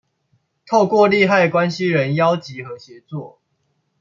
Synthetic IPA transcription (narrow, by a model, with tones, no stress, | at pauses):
t̪ʰo˥˧ʊkwɔ˥˨li˥˧xa˥˩ɪkwa˦nɕi˦ɻə˨˦njɑ˦ʊt͡ɕi˨˦xɤ˨˦ɕjɛ˨˦t͡swɔ˥˨